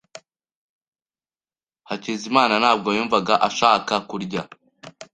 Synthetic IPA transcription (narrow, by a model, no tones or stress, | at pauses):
hacizimaːnanaːb̚ɡojuːɱvaɡaʔaʃaːkakuɾɟa